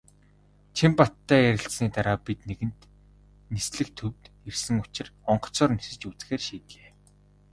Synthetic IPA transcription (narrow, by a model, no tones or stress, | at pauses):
t͡ɕʰimpat̪ʰːæːjæɾʲɪ̆ɬt͡sniːt̪aɾaːpit̪neɣɘ̆nt̪ | nesɮɘ̆k̚t̪ʰɵwt̪ | ersɘ̆ŋʊ̥t͡ɕɪ̆rɔɴɢɞ̥̆t͡sɔːrnisɘ̆t͡ɕut͡sxeːrʃiːt̪ɮeː